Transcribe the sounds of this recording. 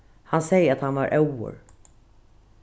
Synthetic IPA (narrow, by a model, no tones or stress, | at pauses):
hansɛjəɾat̪hanvaɾʔɛwʊ̰ɾ